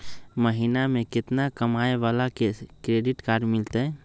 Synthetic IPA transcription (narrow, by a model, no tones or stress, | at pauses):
məɦinamekɪt̪nakəmaebalakekɾeɖiʈkaɾɖmilt̪ə